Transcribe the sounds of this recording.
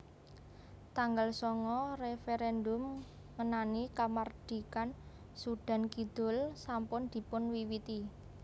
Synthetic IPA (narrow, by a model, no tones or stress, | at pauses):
t̪aŋɡalsɔŋɔrefeɾɛndʊm | ŋənanikamard̪̥i̤kan | suɖ̪̥a̤nkid̪̥ʊ̤lsampʊnd̪̥i̤pʊnwiwit̪i